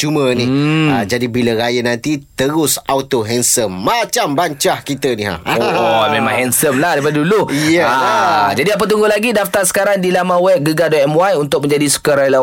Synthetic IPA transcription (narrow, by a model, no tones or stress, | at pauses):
t͡ʃuməniad͡ʒadibiləɾajənãnt̪it̪əɾʊsawt̪oɦɛnsəmːat͡ʃambaɲt͡ʃahkit̪əniɦa̰omẽmãŋhɛnsəmlahdaɾipadadulujəad͡ʒadiap̬ət̪̬uŋɡʊlaɡidaft̪arsə̥kaɾaŋdilamãwɛp̚ɡəɡadɔɛmwajunt̪ʊk̚mə̃ɲd͡ʒadisu̥kaɾajla